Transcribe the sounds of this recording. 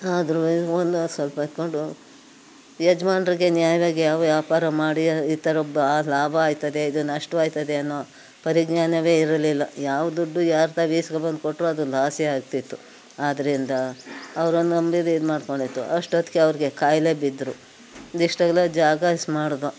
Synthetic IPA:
aːd̪ɾuond̪sʋɐlpɐd̪̚ko̞ɳɖu | jɐd͡ʒɐmaːnɐɾiɡe̞njaːjɐʋaːɡejaːʋɐʋjaːpaːɾɐmaːɽiit̪ɐɾobːɐːlaːbʱɐaːjt̪ɐd̪e̞id̪unɐʂʈɐʋaːjt̪ɐd̪eɐnːo | pɐɾiɡɲaːnɐʋe̞ːiɾɐlilːɐjaːʋɐd̪uɖːujaːɾt̪aʋiːsɡɐbɐnd̪̚ko̞ʈːɾuɐd̪ulaːsjeaːɡ̚t̪it̪ːu | aːd̪ɐɾind̪ɐɐʋɐɾond̪uɐmbid̪iːd̪maːɖko̞ɳɖit̪ːṵʔɐʂʈot̪keɐʋɾiɡe̞kaːjle̞bid̪ːɾu | d̪iʂʈɐɡɐlɐd͡ʒaːɡɐsmaːɽd̪o

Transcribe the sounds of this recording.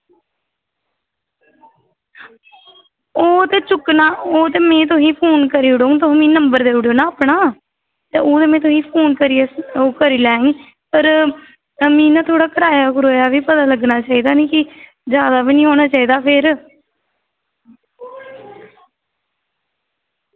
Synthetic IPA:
oːt̪eːt͡ʃʊknaːoːt̪eːmɛ̃ːt̪̬ʊsĩːpʰoːnkəɾiːʊɽoũt̪̬ʊmĩːnəmbəɾd̪eːuɽjoːnãːəpɳaː | t̪eːoːt̪eːmɛ̃ːt̪̬ʊsĩːpʰoːnkəɾieoːkəɾiːlɛːĩː | pəɾ | mĩːnãːt̪ʰoːɽaːkəɾaːjaːkʊɾoːjaːʋiːpət̪aːləɡnaːt͡ʃaːiːd̪aːnĩːkɪ | d͡ʒjaːd̪aːbiːnĩːɦoːnaːt͡ʃaːiːd̪aːpʰɪɾ

